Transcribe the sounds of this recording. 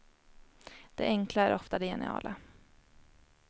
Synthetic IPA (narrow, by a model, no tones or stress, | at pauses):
d̪̥ɛʔɛŋklaæɾʔɔft̪ad̪ɛjɛnɛ̰ɑ̰ːlʔa